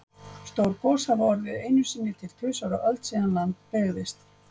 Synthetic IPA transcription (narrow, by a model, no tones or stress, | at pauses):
st̪oːwɾkɔːsavɔɾðɪðeːjnʏsɪnːɪt̪ʰɪl̥t̪ʰʏːsaɾaʔœlt̪siðanlant̪̚pɛːɣðɪst̪